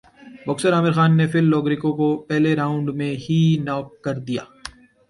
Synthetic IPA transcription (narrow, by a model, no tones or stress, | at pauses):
bɔksəɾaːmɪɾxaːnːefɪlːɔːɡɾɪkõkopɛɦleɾaːʊ̃ɳɖmẽɦinɔːk̚ːɐɾd̪ija̰ː